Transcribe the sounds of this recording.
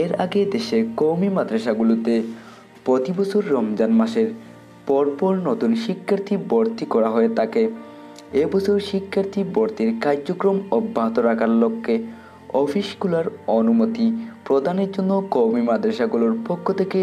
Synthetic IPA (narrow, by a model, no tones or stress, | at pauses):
eɾa̰ɡed̪eʃekowmimad̪ɾaʃaɡulot̪e | pɾot̪ibosʰuɾːɔmd͡ʑanmaʃeɾ | pɔɾpɔɾnot̪unʃikʰːaɾt̪ʰibɔɾt̪ikɔɾaɦɔet̪ake | ebɔsʰuɾʃikʰːaɾt̪ʰibɔɾt̪iɾkaɾokɾomɔbʱːaɦot̪oɾakʰaɾlokʰːe | ɔfiʃɡulaɾonumot̪ipɾod̪ʱaneɾd͡ʑonːokowmimad̪ɾaʃaɡuloɾpokʰːot̪ʰeke